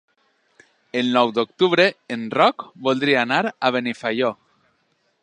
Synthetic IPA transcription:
elnɔwd̪ok̚t̪uβ̞ɾeenrɔkbold̪ɾiaːnaɾaβenifajo

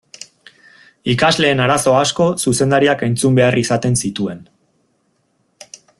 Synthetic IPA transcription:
ikazle̞ːnaɾaso̞asko̞suse̞nd̪aɾiakejnt͡sumbe̞arisat̪e̞nsit̪ue̞n

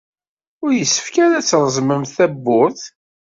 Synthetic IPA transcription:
ʊɾjəsːə̥fkaɾæt͡sːɾˤəzˤməmθæbːʊɾθ

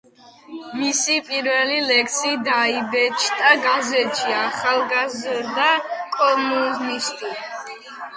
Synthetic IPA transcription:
misipʼiɾvɛlilɛkʰsid̪aibɛt͡ʃʰt̪ʼaɡazɛt̪ʃiaχalˠɡazɾd̪akʼɔmuznist̪ʰʼi

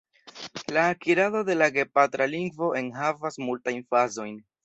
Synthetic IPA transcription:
laːkiɾado̞de̞laɡe̞patɾaliŋɡvo̞ʔe̞nɦavasmultajnfazo̞jn

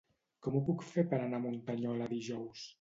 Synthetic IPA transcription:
kɔmupukfeɾpəɾanamunt̪aɲɔlaðiʒɔws

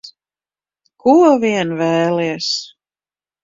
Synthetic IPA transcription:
kuɔviɛnvɛːliɛs

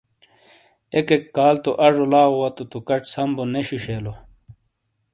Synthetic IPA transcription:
ekekːaːlt̪oʔɐʐolaːowɐt̪ut̪ukɐʈ͡ʂsɐmboneɕuɕeːlo

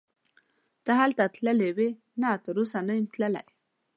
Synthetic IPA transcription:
t̪əɦalt̪at̪ləlewe | nat̪əɾusanəjmt̪ləla̰j

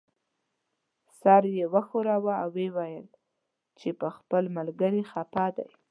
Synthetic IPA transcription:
sɑɾjewəxoɾawaawːewajəl | t͡ʃepəxpəlmalɡəɾixapɑd̪a̰j

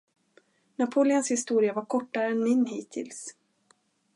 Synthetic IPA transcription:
napʰuːlɪɔnshɪst̪uːɾɪavaɾkʰɔʈːaɾəɛnmɪnːɦiːt̪ʰɪ̰ls

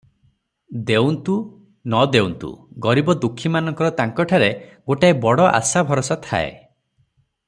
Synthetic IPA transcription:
d̪ewnt̪u | nɔd̪ewnt̪ṵɡɔɾibɔd̪ukʰːimanɔŋkɔɾɔt̪aŋkɔʈʰaɾeɡoʈaebɔɽɔʔa̰sabʱɔɾɔsat̪ʰa̰ḛ

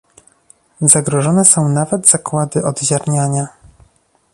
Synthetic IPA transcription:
zaɡɾɔʐɔnɛsɔ̃w̃navɛd̪zakwad̪ɘʔɔd̪ʑaɾɲaɲa

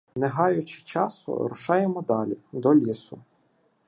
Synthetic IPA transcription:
neɦɑjʊt͡ʃɪ̥t͡ʃɑsʊ̰ɾʊʃɑjemɔd̪ɑlʲid̪ɔlʲisʊ

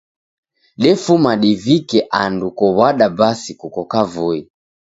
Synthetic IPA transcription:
ɗɛfumaɗivikɛʔandukɔβaɗabasikukɔkavui

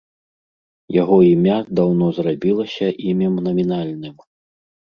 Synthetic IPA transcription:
jaɣɔimʲad̪awnɔzrabʲilˠɐsʲɐʔimʲɐmnɐmʲinalʲnɨm

